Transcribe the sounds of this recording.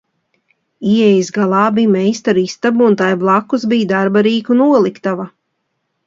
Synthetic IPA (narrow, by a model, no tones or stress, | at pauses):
iɛjzɡalˠɑːbijmɛjst̪aɾist̪abuːnt̪ajblˠakːuzbijd̪aɾbaɾiːkunuɔlˠikt̪ava